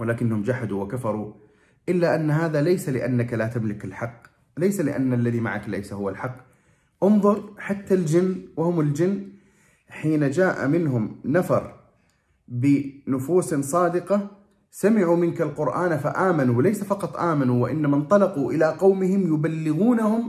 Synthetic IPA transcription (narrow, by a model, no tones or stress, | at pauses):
wɪlaːkɪnːahʊmd͡ʒaħad̪uwakafɑɾˤu | ʔɪlːaʔanːɦaːðalajsalɪʔa̰nːakalat̪amlɪkɪlħɑqː | lajsalɪ̰ʔa̰nːalːaðima̰ʕa̰kla̰jsahʊwːalħɑqː | ʔʊnðˤʊɾħat̪ːald͡ʒɪnːwahʊmɪld͡ʒɪnː | ħiːnad͡ʒaːʔa̰mɪnɦʊmnafɑɾˤ | bɪnʊfuːssˤɑːd̪ɪqɑ | samɪʕumɪnkalqʊɾʔaːnfaʔaːmanuwlajsafɑqɑt̪ˤʔaːmanuwɪʔɪnːamant̪ˤɑlɑquʔɪlaqɑwmɪhɪmjʊbalːɪɣuːnahʊm